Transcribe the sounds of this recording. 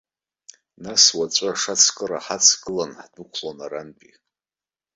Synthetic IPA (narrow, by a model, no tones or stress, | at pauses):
naswat͡ɕʷʼaʂat͡sʰkʼɨɾaħat͡sʰɡʼɨlanħdukʷʰlonaɾanpʼi